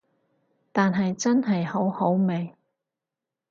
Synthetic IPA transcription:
t̪aː˨nɦɐ˨jt͡sɐ˥nɦɐ˨jho˨˥who˨˥wme˨˩j

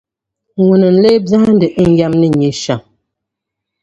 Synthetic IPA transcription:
ŋwu˨nə˨n̩˨le˦bza˦a˦n˦də˨ʔŋ˦ɡja˦mnə˦˨ɲi˨ʃa˨

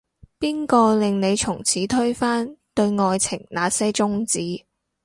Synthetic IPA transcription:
piː˥nkɔː˧lɪ˨˧ŋne˨˧jt͡sʰʊ˨˩ŋt͡sʰiː˨˥t̪ʰɵ˥ɥfaː˥nt̪ɵ˧ɥŋɔː˧jt͡sʰɪ˨˩ŋnaː˨˧sɛː˥jt͡sʊ˥ŋt͡siː˨˥

